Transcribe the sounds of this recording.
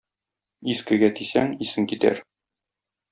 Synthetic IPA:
iskɘ̆ɡæt̪isæŋisɘŋkit̪æ̰ɾ

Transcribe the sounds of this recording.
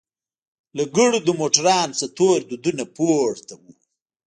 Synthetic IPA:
laɡəɽud̪əmoʈaɾɑːnsat̪oːɾd̪ud̪unapoːɽt̪awu

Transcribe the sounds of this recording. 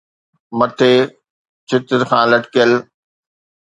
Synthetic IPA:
mɐt̪ʰeː | t͡ɕʰɪt̪ɪɾxʰãːlɐʈkəl

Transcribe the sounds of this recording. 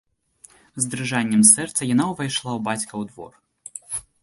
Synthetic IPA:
zd̪ɾɨʐanʲːɛmsɛrt̪sɐjanawvajʂlˠawbat͡sʲkɐwd̪vɔ̰r

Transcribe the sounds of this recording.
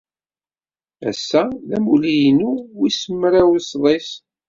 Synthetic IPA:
æ̰sːæðæmulijnuwisəmːɾawsðˤes

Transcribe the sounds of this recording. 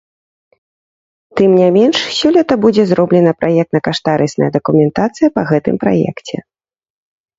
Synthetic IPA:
t̪ɨmnʲajmʲɛnʂsʲɔlʲɐt̪ɐbud͡zʲɛzɾɔblʲɛnɐpɾʔajɛk̚t̪nɐkaʂt̪aɾɨsnɐ̰jɛd̪ɐkumʲɛnt̪at̪sɨjɐpɐɣɛt̪ɨ̰mpɾa̰jɛ̰kt͡sʲɛ̰

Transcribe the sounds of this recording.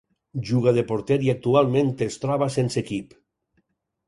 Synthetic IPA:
ʒuɣaðepoɾt̪ɛɾiak̚t̪ualˠmẽnt̪est̪ɾɔβasensekip

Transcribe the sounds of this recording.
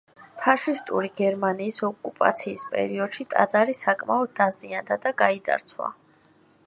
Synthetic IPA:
pʰaʃist̪ʼṵɾiɡɛɾmaniːsɔkʼupʼa̰t̪sʰiːspʼɛ̰ɾiɔd̪̥ʃit̪ʼa̰d̪zaɾisakʼmaɔd̪̚d̪aziand̪ad̪aɡait̪zʼa̰ɾt̪sʰwa̰

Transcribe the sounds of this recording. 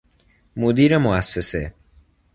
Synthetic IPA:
mud̪iɾemʊasːese

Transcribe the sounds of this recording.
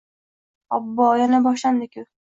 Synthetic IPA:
ɒbːɒjanabɒʃ̬lamd̪ɪkʲʊ

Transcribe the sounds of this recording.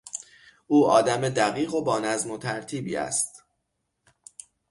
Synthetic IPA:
ʔuːʔɒːd̪æmed̪æɣiːɣo̞bɒːnæzmo̞t̪ʰæɾt̪ʰiːbḭːæ̰st̪

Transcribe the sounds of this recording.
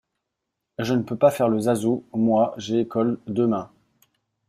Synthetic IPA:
ʒənəpøpafɛʁləzazomwaʒeːkɔld̪əmɛ̃

